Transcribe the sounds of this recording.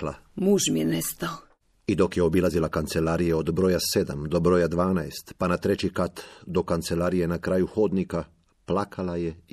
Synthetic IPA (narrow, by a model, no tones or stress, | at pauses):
la̰muːʒmijenest̪ao | id̪o̞kjeo̞bilazilakant̪se̞laɾijeo̞d̪bɾo̞jase̞d̪a̰md̪o̞bɾo̞jad̪ʋaːnaest̪panat̪ɾe̞t͡ɕikat̪d̪o̞kant̪se̞laːɾije̞nakɾaːjuxo̞d̪nika | plakʰalaje̞